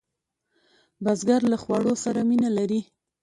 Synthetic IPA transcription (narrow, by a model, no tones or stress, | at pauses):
bazɡaɾlaxwɑɽosaɾaminalaɾi